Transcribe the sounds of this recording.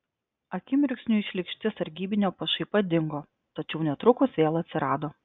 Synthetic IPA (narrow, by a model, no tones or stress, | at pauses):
ɐkʲɪmʲɪɾʲksʲnʲuɪʃʲlʲɪkʃʲt̪ʲɪsɐɾʲɡʲiːbʲɪnʲoːpɐʃɐɪpɐd̪ʲɪŋɡoː | t̪ɐt͡ʃʲɛʊnʲɛt̪ɾʊkʊsʋʲeːlˠɐt̪ʲsʲɪɾɑːd̪oː